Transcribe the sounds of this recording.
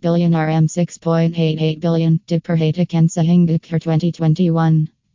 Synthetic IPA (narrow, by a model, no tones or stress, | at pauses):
b̥ɪlˠjɨ̃nəɹɛ̃msɪkspʰɔ̃ɪ̃nteɪɾeɪt̚b̥ɪlˠjɨ̃nd̥ɨd̚pʰə˞ɦeɪɾɨkʰɛ̃nsɛɦɪ̃ŋdɨkʰə˞tʰw̥ɛ̃ntitʰw̥ɛ̃ntiwʌ̃n